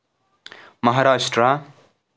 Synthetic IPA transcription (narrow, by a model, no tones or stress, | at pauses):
mʌɦaɾasʈra